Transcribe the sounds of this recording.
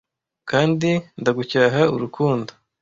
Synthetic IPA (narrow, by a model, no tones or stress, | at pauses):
kaːndindaɡucaːɦauɾukʰuːndo